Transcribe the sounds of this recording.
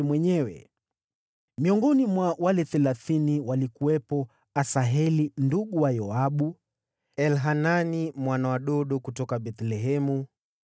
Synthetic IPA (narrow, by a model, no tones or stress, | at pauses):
mwɛɲɛwɛ̰ | miɔŋɡɔnimwawalɛθɛlaθiniwalikuwɛpɔ | asaɦɛlinduɠuwajɔaɓu | ɛlɦananimwanawaɗɔɗɔkutɔkaɓɛt̪lɛɦɛmu